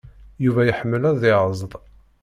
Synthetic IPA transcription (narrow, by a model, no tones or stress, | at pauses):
juvæjəħəmːəlæɾðɪʕəzˤðˤ